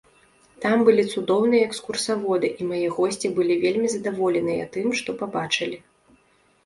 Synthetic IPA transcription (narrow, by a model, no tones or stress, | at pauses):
t̪ambɨlʲit̪sud̪ɔwnɨjɐɛkskursavɔd̪ɨʔimajɛɣɔsʲt͡sʲibɨlʲivʲelʲmʲizɐd̪avɔlʲɛnɨjɐ̰t̪ɨmʂt̪ɔpabat͡ʂɨlʲi